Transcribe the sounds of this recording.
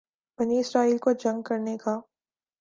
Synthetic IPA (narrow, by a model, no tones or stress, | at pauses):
bɐniɪsɾaːiːlkod͡ʒɐ̃ŋɡ̚kɐɾnekaː